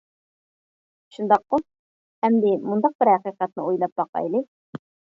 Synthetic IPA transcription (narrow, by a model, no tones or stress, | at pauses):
ʃund̪ɑqːo | hɛmd̪ɪmund̪ɑq̚bɪɾhæqiqɑt̪̚nɨujlˠɑp̚bɑqɑ̰jlˠɨ